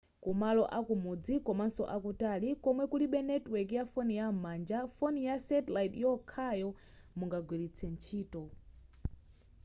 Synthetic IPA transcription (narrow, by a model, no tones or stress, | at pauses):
kumalɔʔakumud͡zikɔmansɔ̰ʔakutalikɔmwɛkuliɓɛnɛtwɛkjafɔnijamaːnd͡ʒafɔnijasɛtlajtjɔkʰajɔ | muŋɡaɡwilit͡sʰɛnt͡ʃʰiːtɔ